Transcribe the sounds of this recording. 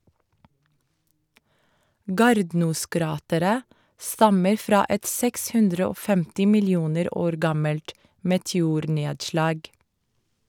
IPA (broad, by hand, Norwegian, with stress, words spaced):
ˈɡɑːɾdnuːˌskɾɑːtəɾə ˈstɑməɾ ˈfɾɑː ˈɛt ˈsɛks ˈhʉndɾə ˈoː ˈfɛmtɪ mɪlɪˈuːnəɾ ˈoːɾ ˈɡɑməlt mɛtɛˈuːɾˌneːdʃlɑːɡ